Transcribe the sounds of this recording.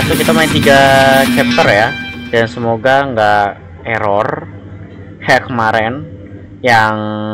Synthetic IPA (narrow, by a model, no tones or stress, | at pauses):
asukit̪amajat̪iɡat͡ʃɛp̚t̪ərjadansəmoɡaŋɡaʔ | eɾɔr | hɛkəmaɾɛn | jaŋ